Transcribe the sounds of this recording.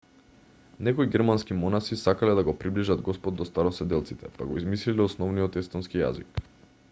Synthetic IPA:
nɛkoiɡɛɾmanskimɔnasisakalɛd̪aɡopɾibliʒad̪ɡɔspɔd̪̚ːɔst̪aɾɔsɛd̪ɛlˠt̪sit̪ɛpaɡɔizmislilɛɔsnɔvnijɔt̪ɛst̪ɔnskija̰zik

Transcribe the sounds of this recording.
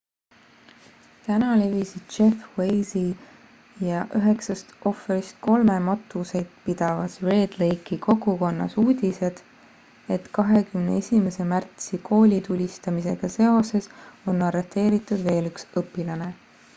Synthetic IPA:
t̪ænɑle̞visid̪̥̚t͡ʃe̞fwe̞jzi | jɑʔyɦe̞ksɑst̪ʔo̞fːeɾist̪̚ko̞lme̞mɑt̪ːˑuse̞jd̪̥pid̪̥ɑvɑsre̞ːd̪̥lejkikʰo̞ɡuko̞nːɑ̰suːd̪̥ʲise̞d̪̥ | e̞t̪kɑɦe̞kymnḛesʲime̞se̞mært̪sikʰo̞ːlʲit̪ulʲist̪ɑmise̞̰ɡ̥ɑse̞o̞se̞so̞nːɑret̪ːˑe̞ːɾit̪ːˑud̪̥ve̞ːlyksɤpːˑilɑne̞

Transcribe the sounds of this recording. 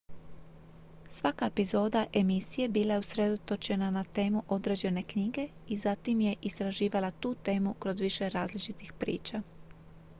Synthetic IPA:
sʋakaepizo̞ːd̪aʔe̞misije̞biːlajeusɾe̞d̪o̞t̪o̞t͡ʃe̞nanat̪e̞ːmuʔo̞d̪ɾe̞d͡ʑe̞ne̞kɲiːɡe̞izat̪imje̞ʔist̪ɾaʒiːʋalat̪uːt̪e̞ːmukɾo̞zʋiʃe̞ɾaːzlit͡ʃit̪ixpɾḭːt͡ʃa

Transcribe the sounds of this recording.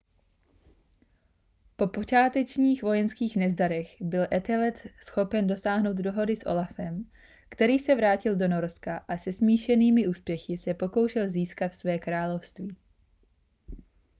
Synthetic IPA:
po̞po̞t͡ʃaːt̪ɛt͡ʃɲiːxvo̞jɛnskiːxnɛzdaɾɛxbɪlʔɛt̪ɛlɛt̪sxo̞pɛndo̞saːɦno̞wd̪do̞ɦo̞dɪsʔo̞̰lafɛm | kt̪ɛɾiːsɛvɾaːcɪldo̞no̞ɾskaʔasɛsmiːʃɛniːmɪʔuːspjɛxɪsɛpo̞ko̞wʃɛlziːskat̪fsvɛːkɾaːlo̞fst̪viː

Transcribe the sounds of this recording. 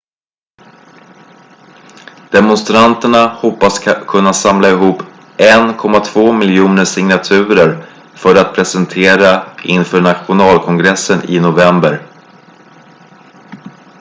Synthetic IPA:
d̪̥ɛmʊnst̪ɾant̪əɳahɔpːaskʰɵnːasamlaɪɦuːpː | ʔɛnkʰɔmːat̪ʰvoːmɪljuːnəʂɪŋnat̪ʰʉ̟ːɾəɾ | fœɾat̪̚pʰɾɛsənt̪ʰeːɾaɪnfœːɳat̪ɧʊnɑːlkʰɔŋɡɾɛsːənɪ̰nʊvɛmbəɾ

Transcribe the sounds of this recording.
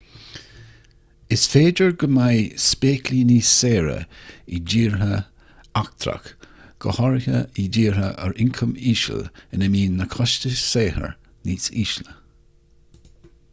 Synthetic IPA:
ɪsfeːdəɹɡəmajspeːkliːniːseːɹə̰id͡ʒiːɹɦə | ak̚t̪ʰɾa̰k | ɡ̥əhɔɹhəidiːɹhəʔə̰ɹɪŋkʰəmiːʃə̰lɪnəmiːnːəkʰɔʃtəseːhə̰ɹ | niːsiːʃlə

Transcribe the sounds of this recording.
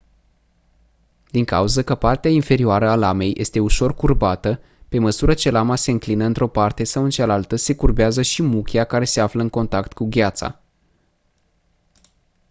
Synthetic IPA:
d̪iŋka̰uzəkəpart̪eainfe̞ɾioaɾəalame̞jʔe̞̰st̪e̞uʃo̞rkurbat̪ə | pe̞məsuɾət͡ʃe̞lamase̞ɨŋklinəɨnt̪ɾo̞part̪e̞sawɨnt͡ʃalalt̪əse̞kurbeazəʃimukʲeakaɾe̞se̞afləɨŋko̞nt̪akt̪kuɡʲat̪sa̰

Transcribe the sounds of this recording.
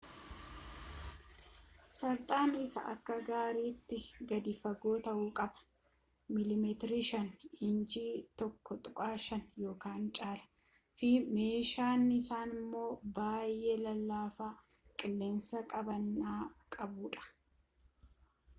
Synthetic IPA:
sɐɾt̪ʼaːnɪsɐ̰ʔɐ̰kːɐɡaːɾiːt̪ːɪɡɐd̪ɪfɐɡo̞ːt̪ɐʔuːkʼɐbɐ̥ | mɪlɪmɛt̪ɪɾɪʃɐnɪnd͡ʒiːt̪ɔkːɔt̪ʼʊkʼaːʃɐnjo̞ːkaːnt͡ʃʼaːlɐ̥ | fɪme̞ːʃaːnːɪsaːnɪmːo̞ːbaːjʔe̞ːlɐlːaːfaː | kʼɪlːeːnsɐkʼɐbɐnːaːkʼɐbuːᶑɐ̥

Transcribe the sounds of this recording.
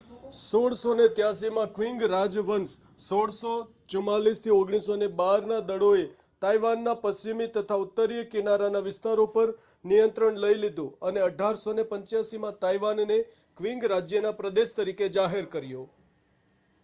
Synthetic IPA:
soɽsonet̪jas̬imãkʋiŋɡɾad͡ʒʋəns | soɽso | t͡ʃʊmalist̪ʰioɡɽ̃isonebaɾnad̪əɽoe | t̪ajʋanːapəsimit̪ət̪ʰaʊt̪ːəɾijəkɪnaɾanaʋɪst̪aɾopəɾ | nijənt̪ɾəɳləilid̪ũəneəɖʱaɾsonepə̃ɲt͡ʃjasimãt̪ajʋanːe | kʋĩŋɡɾad͡ʒjənapɾəd̪eʃt̪əɾiked͡ʒaɦeɾkəɾjo

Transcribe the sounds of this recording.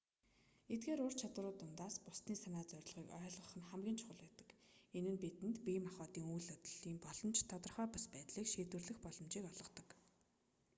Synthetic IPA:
et̪̚ɡeːɾʊr̥t͡ɕʰat̪wə̆ɾʊːt̪ʊnt̪aːspʊst̪niːsanaːt͡sœɾ̆ʲɮʁiːkœːɮʁə̆χə̆nχæmɡʲiːnt͡ɕʰʊ̥χə̆ɮpæːt̪ə̥̆kenɘ̆npit̪ɘ̆nt̪pimaχɔːt̪iːŋujɮɔt̪ə̆ɮiːmpɔɮɞ̆mt͡ɕt̪ʰɔt̪ɞ̆rχœːpaspæːt̪ɮiːkʃeːt̪wɘ̆rɮɘ̆xpɔɮɞ̆mt͡ɕiːkɔɮʁɞ̆t̪ɞ̆k

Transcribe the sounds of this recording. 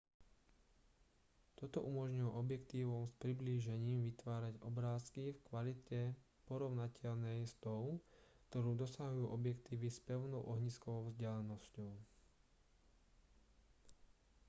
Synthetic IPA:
t̪ɔt̪ɔ̰ʔumɔʒɲujɔʔɔbjɛkt̪iːʋɔmspɾibliːʒɛɲiːmʋit̪ʋaːɾaɟɔbɾaːskifkʋalit̪ɛ | pɔɾɔʊnacʰɛʎnɛjst̪ɔʊkt̪ɔɾuːd̪ɔsaɦujuːʔɔbjɛkt̪iːʋispɛʊnɔʊʔɔɦɲiskɔʋɔʊvzɟɛlɛnɔscɔʊ

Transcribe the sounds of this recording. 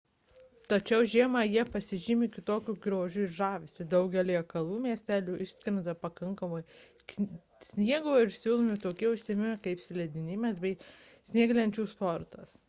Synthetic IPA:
t̪ɐt͡ʃʲɛʊʒʲiɛmɑːjiɛpɐsʲɪʒʲɪmʲɪkʲɪt̪oːkʲuːɡɾʲoːʒʲuɪʃʒɑːʋʲɪsʲt̪ʲɪd̪ɐʊɡʲɛlʲiɛkɐlˠuːmʲiɛsʲt̪ʲæːlʲuːʔɪʃʲsʲkʲɾʲɪnd̪ɐpɐkɐŋkɐmoːj | k | sʲnʲiɛɡoːɪɾsʲuːlˠoːmʲɪt̪oːkʲiɛʊʃʲsʲiːmʲɪmʲɪkɐɪpsʲɪlʲɛd̪ʲɪnʲɪmʲɛsbʲɛɪ | sʲnʲiɛɡlʲɛnʲt͡ʃʲuːspoːɾt̪ɐs

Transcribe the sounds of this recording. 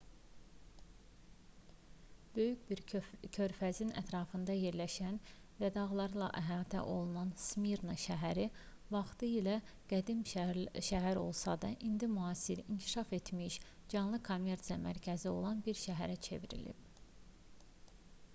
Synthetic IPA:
b̥ø̞jycbiɾcʰøɾfæzinæ̰t̪ʰɾɑːfɯnd̪ɑje̞ɾlæʃæn | væd̪ɑɣlˠɑɾɯlˠɑ̰ʔæɦɑːt̪ʰæ̰ʔo̞lˠunɑnsmiɾnoʃæɦæɾi | vɑχt̪ɯilæ | ɡ̥æd̪imʃæɦæɾo̞̰lˠsɑ̰d̪ɑ̰ʔind̪imuɑːsiɾiɲcʰi̥ʃɑfe̞t̪miʃd͡ʒɑnlˠɯkʰomːe̞ɾt̪sijɑmæ̰ɾcʰæzio̞̰lˠɑnbiɾʃæɦæɾæt͡ʃʰe̞̰viɾḭlḭb̥̚

